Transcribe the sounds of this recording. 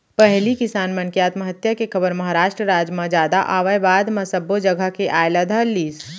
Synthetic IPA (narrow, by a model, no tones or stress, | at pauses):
pɛɦlikɪsaːnmɐ̃nkijaːt̪məɦət̪jakekʰɐbəɾmɐɦaɾaːʃʈɾəɾaːd͡ʒmãd͡ʒaːd̪aʔaːʋəebaːd̪mɐsɐbːod͡ʒəɡʱəkeʔaːjlad̪ʱalːiːs